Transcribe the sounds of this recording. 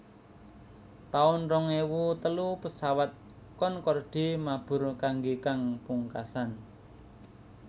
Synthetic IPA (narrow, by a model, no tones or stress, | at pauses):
t̪aʊnrɔŋewut̪əlupəsawat̪̚ | kɔnkɔrɖ̥i̤mab̥ʊ̤rkaŋɡekaŋpuŋkasan